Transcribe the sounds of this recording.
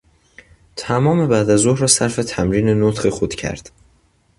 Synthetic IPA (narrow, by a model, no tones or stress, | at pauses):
t̪ʰæmɒːme̞bæːd̪æzohɾɒːsæɾfet̪ʰæmɾiːne̞not̪χexod̪̥cʰæ̰ɾd̪̥